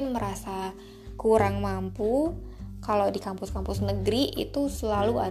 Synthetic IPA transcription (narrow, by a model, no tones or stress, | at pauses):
nməɾasa | kuɾaŋmampukalowdikampʊskampʊsnəɡɾiʔḭt̪usəlalua̰